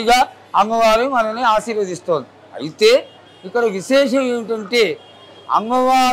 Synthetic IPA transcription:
ɡaː | ɐŋɡɐʋaːɾɐimɐnɐmneaːʃiːɾʋɐd̪ist̪oːnd̪i | ɐ̰jit̪eː | ikːɐɽɐʋiʃɛːʂɐmeːʋiʈɐɳʈeː | ɐ̰ŋɡɐʋaː

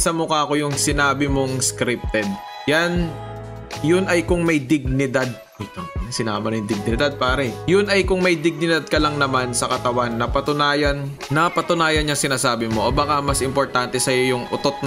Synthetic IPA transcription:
sɐmʊkaɐko̞jʊŋsɪnaːbɪmoŋskɾɪp̚t̪ɛd̪̚ | jan | jʊnɐjkʊŋmɐjd̪ɪɡ̚nɪd̪ad̪̚ | ojt̪oŋsɪna̰ːmɐnɐjʊŋd̪ɪɡ̚nɪd̪ad̪̚paːɾɛjʊnʔɐjkʊŋmɐjd̪ɪɡ̚nɪd̪ad̪̚kɐlɐŋnɐmansɐkɐt̪ɐwanːɐpɐt̪ʊnaːjɐnː | ɐpɐt̪ʊnaːjɐnɲɐŋsɪnaːsaːbɪmoʔobɐkamɐsʔɪmpo̞ɹt̪ant̪ɛsɐjo̞jʊŋʔʊt̪ot̪̚n

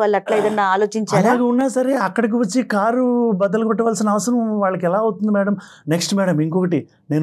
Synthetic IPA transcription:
ʋaːɭːɐʈlaːjid̪ɐnːaːaːlo̞ːt͡ʃiɲt͡ʃaɐːlaːɡeːunːaːsɐɾe̞ɐkːɐɽɐk̬iʋɐt͡ʃːikaːɾubɐd̪ɐlɐkupɐʈːɐʋaːlsinɐɐʋɐsɐɾɐmʋaːɭːɐkɛlaːɐwt̪und̪imɛːɽɐm | neksʈmɛːɽɐmiŋkɔkɐʈi | ne̞ːn

